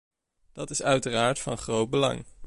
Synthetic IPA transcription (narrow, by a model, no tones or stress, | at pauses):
d̥ɑtɪsœɥtəraːɹtfɑnχrowd̚bəlɑ̰ŋ